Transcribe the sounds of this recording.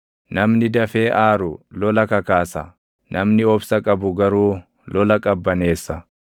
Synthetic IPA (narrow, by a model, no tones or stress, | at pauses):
nɐmnɪd̪ɐfe̞ːʔaːɾʊlɔlɐkɐkaːsɐ | nɐmnɪɔbsɐkʼɐbʊɡɐɾuː | lɔlɐkʼɐbːɐne̞ːsːɐ